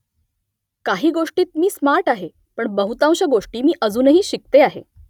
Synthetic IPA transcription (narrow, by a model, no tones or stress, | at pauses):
kaɦiːɡoʂʈiːt̪̚miːsmaɾʈaɦe | pəɳbəɦut̪ãw̃ɕaɡoʂʈiːmiːʔəd͡zuːnəɦiːɕik̚t̪eaɦḛ